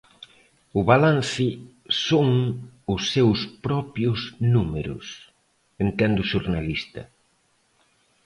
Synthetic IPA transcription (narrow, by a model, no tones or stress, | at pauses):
ʊβalan̟θɪ | soŋʊsːewspɾɔpjʊznumeɾʊ̰s | ent̪ɛnd̪ʊʃuɾnalist̪ɐ̰